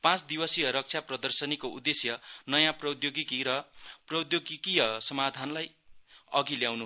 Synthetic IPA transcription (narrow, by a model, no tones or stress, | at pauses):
pãt͡sd̪iwʌsijʌɾʌk̚t͡sʰjaprʌd̪ʌrsʌnikoud̪esjʌnʌjãprʌd̪joɡikiɾʌprʌwd̪joɡikijʌsʌmad̪ʱanlaj | ʌɡiljawnu